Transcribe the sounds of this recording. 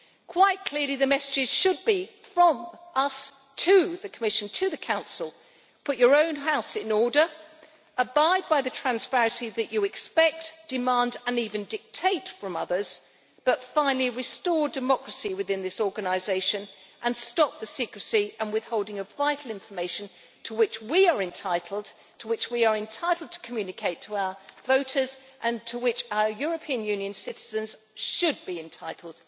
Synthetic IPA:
kʰw̥aɪt̚kʰl̥ɪɹlˠiðɨmɛsɨd͡ʒɨz̥ʃɨd̚bifɹʌ̃mʔʌs | tʰɨðɨkʰəmɪʃɨ̃n̩tʰɨðɨkʰãʊ̃nsl̩ˠ | pʰʊt͡ʃə˞õʊ̃nɦaʊsɨ̃nɔɹɾə˞ | əbaɪd̚baɪðɨtʰɹ̥æ̃nspæɹɨ̃nsiðɨt͡ʃɨɨkspɛk̚td̥ɨmæ̃ndɨ̃nivɨ̃ndɨk̚tʰeɪtfɹʌ̃mʌðə˞z̥ | b̥ʌtfãɪ̃nl̩ˠiɹɨstɔɹdɨmɑkɹɨsiwɨðɪ̃nðɪsɔɹɡɨnɨɪzeɪʃɨ̃nʔɨ̃nstɑp̚ðɨsikɹɨsiə̃nwɨð̥hoʊlˠdɪ̃ŋəvaɪɾˡl̩ˠɪ̃ɱfə˞meɪʃɨ̃n̩ | tʰəwɪt͡ʃwiə˞ɨ̃ntʰaɪɾʰˡl̩ˠd | tʰəwɨt͡ʃwiə˞ɨ̃ntʰaɪɾl̩ˠd̚tʰə̥kʰmjʉnɨkʰeɪtʰəaʊə˞voʊɾəzʔɨ̃ntʰəwɪt͡ʃaʊə˞jʊɹɨpʰiɨ̃njʉ̃njɨ̃nsɪɾɨzɨ̃nz̥ | ʃɨd̚biɨ̃ntʰaɪɾˡl̩ˠd̥

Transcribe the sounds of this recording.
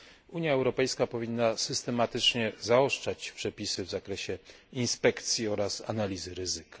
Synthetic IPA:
uɲjaɛwɾɔpɛjskapɔvʲinːasɘst̪ɛmat̪ɘt͡ʂɲɛzaɔʂt͡ʂat͡ɕpʂɛpʲisɘvzakɾɛɕɛ | inspɛkt̪sʲjiɔɾasa̰nalʲizɘɾɘzɘkḁ

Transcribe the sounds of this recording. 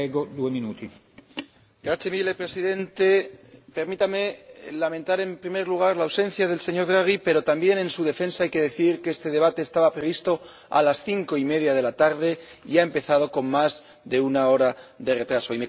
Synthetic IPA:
eɡod̪ueminut̪i | ɡɾat͡ʃemile̞pɾe̞siðe̞nt̪e̞pe̞ɾmit̪ame̞lamẽnt̪aɾe̞mpɾime̞ɾluɣ̞aɾlaːwsẽ̞n̟θjað̞e̞lse̞ɲo̞ɾðɾaɣ̞ipe̞ɾo̞t̪ambje̞nẽ̞nsuð̞e̞fe̞nsaajke̞ðe̞θiɾkeest̪e̞ðe̞β̞at̪e̞ːst̪aβapɾe̞β̞ist̪o̞ | a̰lasθiŋko̞ime̞ðjað̞e̞lat̪aɾðe̞iaempe̞θað̞o̞ko̞ŋmaz | ðe̞unao̞ɾaðe̞re̞t̪ɾaso̞ime

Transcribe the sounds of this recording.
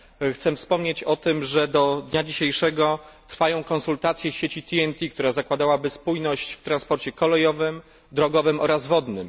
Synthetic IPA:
xt̪sɛfspɔmɲet͡ɕɔt̪ɘmʐɛd̪ɔd̪ɲad͡ʑiɕejʂɛɡɔ | t̪ɾfajɔ̃w̃kɔ̃nsult̪at̪sʲjɛɕet͡ɕit̪ʰʲiɛnt̪ʲik̚t̪uɾazakwad̪awabɘspujnɔɕt͡ɕft̪ɾanspɔɾt͡ɕɛkɔlɛjɔvɘm | d̪ɾɔɡɔvɘmʔɔɾazvɔd̪nɘm

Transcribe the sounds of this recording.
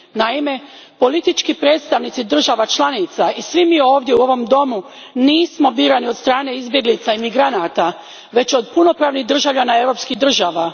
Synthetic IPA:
naime̞po̞lit̪it͡ʃkipɾe̞ːd̪st̪aʋnit̪sid̪r̩ʒaʋat͡ʃlanit̪saisʋimiːo̞ːʋd̪jeuo̞ʋo̞md̪o̞mu | niːsmo̞biːɾaniod̪st̪ɾaːne̞izbje̞ɡlit̪saimiɡɾanat̪a | ʋe̞t͡ɕo̞d̪puno̞pɾaːʋniɣd̪r̩ʒaʋʎanae̞vɾo̞ːpskiɣd̪r̩ʒaːʋa

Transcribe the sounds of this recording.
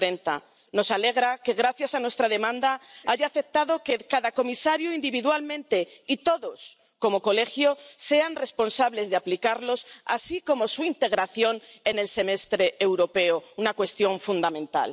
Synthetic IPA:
ɾent̪a̰ | no̞sale̞ɣ̞ɾake̞ɣ̞ɾaθjasanwe̞st̪ɾaðe̞mãnd̪aaʝaːθe̞p̚t̪aðo̞kekaðako̞misaɾjoind̪iβiðwalmẽ̞nt̪e̞it̪o̞ðo̞s | ko̞mo̞ko̞le̞xjo̞se̞anre̞spo̞nsaβle̞zðeaplikaɾlo̞sa̰siko̞mo̞suint̪e̞ɣ̞ɾaθjo̞ne̞ne̞lse̞me̞st̪ɾe̞ːwɾo̞pe̞ounakwe̞st̪jõ̞ɱfund̪amẽ̞nt̪a̰l

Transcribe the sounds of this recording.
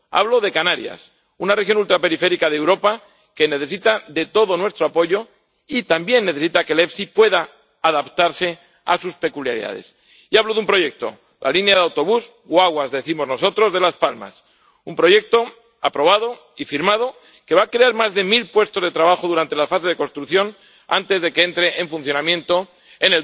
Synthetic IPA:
a̰βlo̞ðe̞kanaɾja̰s | unarexjo̞nult̪ɾapeɾife̞ɾikaðewɾo̞pa | ke̞ne̞θe̞sit̪aðe̞t̪o̞ðo̞nwe̞st̪ɾoapo̞ʝo̞ | it̪ambje̞nːeθe̞sit̪ake̞le̞fsipwe̞ðaː | ðapt̪aɾse̞ | a̰suspe̞kulja̰ɾḭða̰ðe̞̰s | iaβlo̞ðumpɾo̞ʝe̞k̚t̪o̞̰ | lʔa̰linjaðeawt̪o̞βus | oaɣwazðe̞θimo̞zno̞so̞t̪ɾo̞zðe̞laspalma̰s | umpɾo̞ʝe̞k̚t̪o̞ | apɾo̞βaðo̞ | ifiɾmað̞o̞ | ke̞βaːkɾe̞aɾmazðe̞milpwe̞st̪o̞zð̞e̞t̪ɾaβaxo̞ðuɾant̪e̞lafase̞zðe̞ko̞nst̪ɾuθjo̞n | a̰nt̪e̞zðe̞kee̞nt̪ɾe̞ʔeɱfunθjo̞namjẽ̞nt̪o̞ | enel

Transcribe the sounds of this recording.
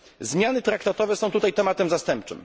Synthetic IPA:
zmʲjanɘt̪ɾakt̪at̪ɔvɛsɔ̃w̃t̪ut̪ajt̪ɛmat̪ɛmzast̪ɛmp̚t͡ʂɘ̰m

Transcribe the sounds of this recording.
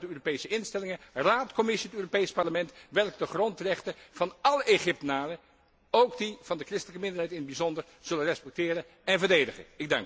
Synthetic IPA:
dəøːropejsəɪnstɛlɪŋəraːtkɔmɪsiətøːropejspɑɹləmɛntʋɛlˠkdəχrɔntrɛχtəv̥ɑnɑləʔeχɪp̚tənaːrə | owɡdiv̥ɑndəkrɪstələkəmɪndəɹɦɛjtɪnəd̚bizɔndəɹ | z̥ɵlənrɛspɛk̚tɪːɾə | ɛnvəɹdejdəχə̰nɪɡ̚dɑ̰ŋk

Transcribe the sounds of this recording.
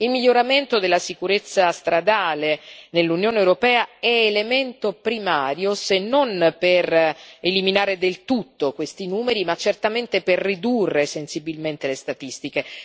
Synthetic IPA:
ilmiʎːoɾament̪od̪elːasikuɾet̪sːast̪ɾad̪aːlenelːunjoːneːwɾopɛːaɛelement̪opɾimaːɾjosenːonpereliminaːɾed̪elt̪ut̪ːokwest̪inuːmeɾimat͡ʃːert̪ament̪eperːid̪urːesensibilment̪elest̪at̪ist̪ike

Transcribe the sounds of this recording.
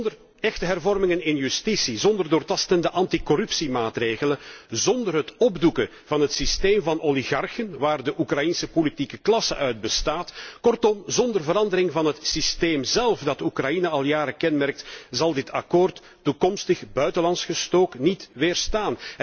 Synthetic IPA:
dər | ɛxtəɦɛrvɔrmɪŋənɪnjystisizɔndərdoːrtɑstəndəʔɑntikɔrʉpsimaːtreːɣələnzɔndərɦətɔbdukə | vɑnɦətsisteːmvɑnʔoliɣɑrxənʋaːrdəʔukrɑjinsəpolitikəklɑsə̰ʔœɥd̚bəstaːtkɔrtɔmzɔndərvəɾɑndəɾɪŋvɑnɦətsisteːmzɛlˠfdɑtukrɑjinəɑlˠjaːɾəkɛnmɛrk̚tzɑlˠdɪtɑkoːrtːukɔmstəxbœɥtəlɑnsxəstoːknitʋɪːrstaːn

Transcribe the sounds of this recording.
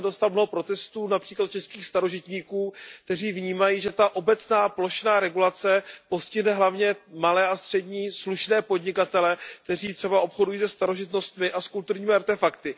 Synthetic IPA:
dost̪amnoɦopɾo̞t̪ɛst̪uːnapr̝̥iːklat̪̚t͡ʃɛskiːxst̪aɾo̞ʒɪt̪ɲiːkuːk̚t̪ɛriːvɲiːmajiːʒɛt̪aʔo̞bɛt͡snaːplo̞ʃnaːɾɛɡulat͡sɛpo̞scɪɦnɛɦlavɲɛmalɛːast̪r̥ɛdɲiːsluʃnɛːpo̞dɲɪkat̪ɛlɛk̚t̪ɛriːt̪r̥ɛbaʔo̞pxo̞dujiːsɛst̪aɾo̞ʒɪt̪no̞st̪mɪʔaskult̪uɾɲiːmɪaɾt̪ɛfakt̪ɪ

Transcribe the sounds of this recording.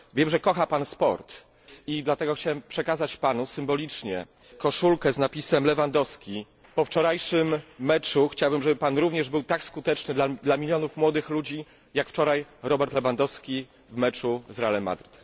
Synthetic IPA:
vʲjɛmʐɛkɔxapanspɔ̰ɾt̪ | sid̪lat̪ɛɡɔxt͡ɕawɛmpʂɛkazat͡ɕpanusɘmbɔlʲit͡ʂɲɛ̰ | kɔʂulkɛznapʲisɛmlɛvand̪ɔskʲi | pɔft͡ʂɔɾajʂɘmːɛt͡ʂuxt͡ɕawbɘmʐɛbɘpanɾuvɲɛʐbɘwt̪akskut̪ɛt͡ʂnɘd̪lad̪lamʲilʲjɔnufmwɔd̪ɘxlud͡ʑi | jakft͡ʂɔɾajɾɔbɛɾt̪lɛvand̪ɔskʲi | vmɛt͡ʂuzɾalɛmːa̰d̪ɾɘt̪

